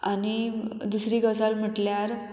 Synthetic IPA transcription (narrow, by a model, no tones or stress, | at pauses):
anid̪usɾiːɡəs̬alm̤əʈljaɾ